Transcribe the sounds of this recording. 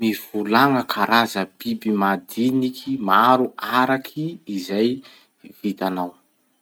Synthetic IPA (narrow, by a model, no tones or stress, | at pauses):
miv̥ulaŋəkʰaɾazəb̥ibimad̪inikʰimaɾuaɾakʰiːzaj | v̥it̪anaw